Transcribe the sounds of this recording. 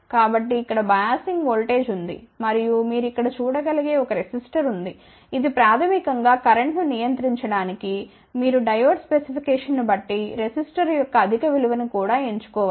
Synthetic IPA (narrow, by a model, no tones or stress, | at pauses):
kaːbɐʈːiːkːɐɽɐbɐjaːsiŋɡʋoːlʈe̞ːd͡ʒund̪ḭmɐɾijumiːɾuikːɐɽɐt͡ʃuːɽɐɡɐliɡe̞ːɔkɐɾesisʈɐɾund̪i | id̪ipɾaːt̪ʰɐmikɐŋɡaːkɐɾɐɳʈnunijɐnt̪ɾiɲt͡ʃɐɽaːniki | miːɾuɖɐjʋɐɾɖspesipʰikɛːʂɐnːubɐʈːiɾesisʈɐɾjɔkːɐːd̪ʱikɐʋiluʋɐnikuːɽaːeɲt͡ʃu̥kɔːʋa